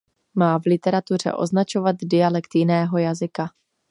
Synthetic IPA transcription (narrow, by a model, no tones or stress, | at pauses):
maːvlɪt̪ɛɾat̪ur̝ɛ̰ʔo̞̰znat͡ʃo̞vat̪dɪalɛkt̪jɪnɛːɦo̞jazɪka